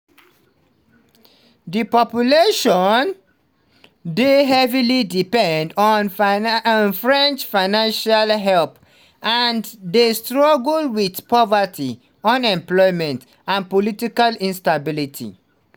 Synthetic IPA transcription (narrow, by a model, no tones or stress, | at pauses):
dipɔpjuleʃɔn | deɦɛvilidipɛ̃ndɔn | nfɹɛ̃nt͡ʃfaɪnãnʃalɦɛlp | andestɹaɡəlwiθpɔvati | ɔ̃nɛ̃mplɔɪmɛ̃nt | ãnpolitikalĩnstabilitʰḭ